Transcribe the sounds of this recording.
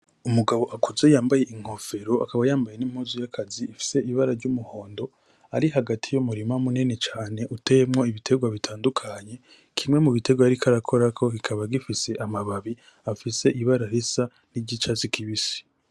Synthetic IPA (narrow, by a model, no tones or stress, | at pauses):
umuɡaβo̞ʔakʰuze̞jaːmbaje̞ʔiŋ̥ho̞fe̞ɾo̞ʔa̰kaβajaːmbaje̞nim̥huzujakʰaziːfi̥se̞iβaɾaɾɟumuho̞ːndo̞ | aɾiɦaɡatʰijumuɾimamunenet͡ʃaːne̞ʔutejemŋo̞iβitʰe̞ɡwaβitʰaːndukʰaɲe̞ | kʰimŋe̞muβitʰe̞ɡwaɾikʰaɾakʰo̞ɾakʰo̞kikʰaβaɡifise̞ʔamaβaβi | afise̞ʔiβaɾaɾesa | niɟit͡ʃazikiβisi̥